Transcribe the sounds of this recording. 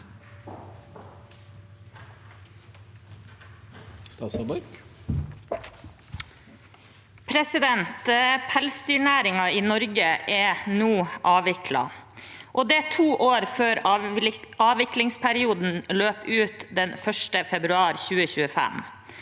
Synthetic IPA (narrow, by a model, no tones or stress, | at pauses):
st̪ɑːsɔbɑk | pʰɾɛsɪd̪ɛnt̪pʰælst̪yːɳæːɾɪŋɑiːnɔɾɡəʔɛnuːʔɑːʋɪkʰlɑ̰ʔoːd̪ɛt̪ʰuːʔoːɾføːɾ | ɑːʋɪklɪŋspʰæɾɪuːd̪n̩løːpʉːt̪d̪ɛnfœʂʈəfɛbɾʉɑːɾçʉːəçʉːəfæ̰m